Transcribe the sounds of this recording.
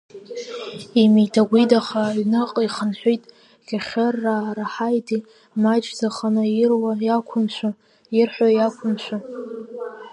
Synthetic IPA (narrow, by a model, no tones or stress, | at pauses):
imijtʰaɡʷidaχaɥnɨqʼiχənħʷᶣojtʼ | ɡ̥ʲaχʲarːaɾaħajtʰi | mat͡ʃʰʼd͡zaχanɨjɪrwajakʷʰʊmʃʷa | jɪrħʷajakʷʰʊmʃʷa